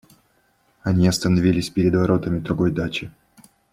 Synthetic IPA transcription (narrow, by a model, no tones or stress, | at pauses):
ɐnʲiɐst̪ənɐvʲilʲɪsʲpʲɪɾʲɪd̪vɐɾo̞t̪əmʲɪd̪ɾʊɡo̞jd̪at͡ɕɪ